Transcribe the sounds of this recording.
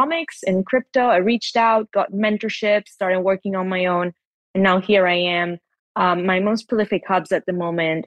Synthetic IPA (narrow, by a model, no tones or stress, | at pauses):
ɑmɪksɨ̃nkʰɹ̥ɪp̚toʊaɪɹit͡ʃtaʊt̚ɡ̥ɑt̚mɛ̃ntə˞ʃɪpstɑɹɾɪ̃ŋwɜ˞kɪ̃ŋə̃nmaɪõʊ̃n | ɨ̃nːaʊhiɹaɪɨ̃m | ʌ̃ːaɪmoʊspʰɹ̥əlɪfɨkhʌbzɨt̪̚ðɨmõʊ̃mɨ̃nt̚